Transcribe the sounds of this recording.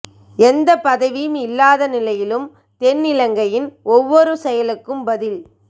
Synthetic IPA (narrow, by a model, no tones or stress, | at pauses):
ɛnd̪ɐpɐðɐʋɪjɯmɪlːaːðɐnɪlɐjɪlɯm | t̪ɛnːɪlɐŋɡɐjɪnɔʋːɔɾɯsɛjɐlɯkːɯmbɐðɪl